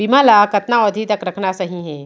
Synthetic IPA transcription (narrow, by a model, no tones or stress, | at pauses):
bimalakɐt̪naɔd̪ʱit̪əkɾɐkʰnasɐɦĩɦɛ̃ː